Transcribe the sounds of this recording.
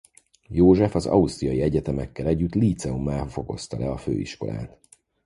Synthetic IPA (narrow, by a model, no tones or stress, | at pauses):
joːʒɛfɒzɒ̰ust̪rijɒjiɛɟɛt̪ɛmɛkːɛlɛɟːyt̪liːt̪sɛumːaːfo̞ko̞̰st̪ɒlɛɒfø̰ːḭʃko̞la̰ːt̪